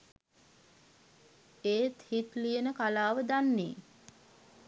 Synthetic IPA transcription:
eːt̪hit̪lijənəkalaːʋəd̪anːḛː

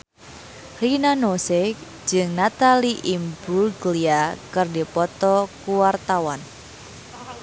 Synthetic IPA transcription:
rinanose̥ | d͡ʒɨŋnat̪aliʔimbulɡliakɨrdipɔt̪ɔkuwart̪awan

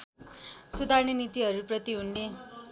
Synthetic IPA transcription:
sud̪ʱarnʌnit̪iɦʌɾuprʌt̪iɦunle

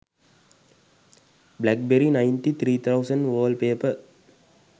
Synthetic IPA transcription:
blæk̚bɛɾinɐɪnʈit̪ʰɾiːt̪ʰɐʊsɐ̃nɖʋəːlpeːpɐɾ

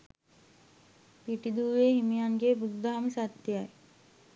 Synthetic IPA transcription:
piʈid̪uːʋeːɦimijaŋɡeːbudd̪aɦaməsat̪ːjjaj

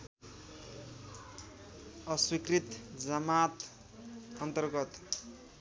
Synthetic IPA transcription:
ʌswikrit̪d͡zʌmat̪ | ʌnt̪ʌrɡʌt̪

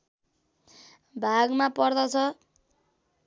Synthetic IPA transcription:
bʱaɡmapʌrd̪ʌt͡sʰʌ

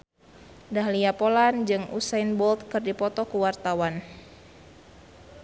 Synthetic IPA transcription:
dahliapoland͡ʒɨŋṵsajnbɔlt̪̚kɨrdipɔt̪ɔkuwart̪awan

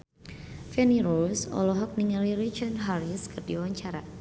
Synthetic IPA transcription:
fɛniɾɔlsɔ̰lɔɦɔk̚niŋəliɾit͡ʃənɦaɾiskərdiwaɲt͡ʃaɾa

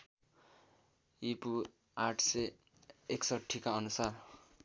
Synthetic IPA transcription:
ipu | aʈʰse | eksʌʈʰːikaʌnusar

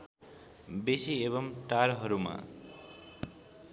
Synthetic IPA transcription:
besiebʌmʈaɾɦʌɾuma̰

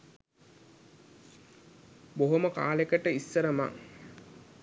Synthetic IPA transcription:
boɦoməka̰ːlekəʈəisːəɾəma̰ŋ

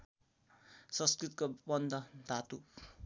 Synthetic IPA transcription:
sʌ̃nskɾit̪kobʌnd̪ʱʌd̪ʱat̪u

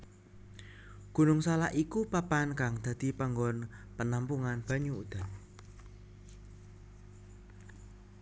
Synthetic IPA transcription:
ɡ̥ṳnʊŋsalaʔikupapankaŋd̪̥ä̤d̪̥i̤paŋɡɔnpənampuŋanb̥ä̤ɲuṵd̪̥a̤

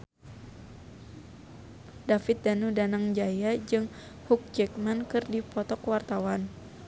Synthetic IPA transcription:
dafɪt̪̚danudanaŋd͡ʒajad͡ʒɨŋ | huk̚d͡ʒɛk̚mankɨrdipɔt̪ɔkwart̪awan

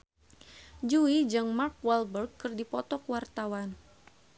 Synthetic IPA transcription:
d͡ʒuid͡ʒɨŋmarkwɛlbərɡkːɨrdipɔt̪ɔkwart̪awan

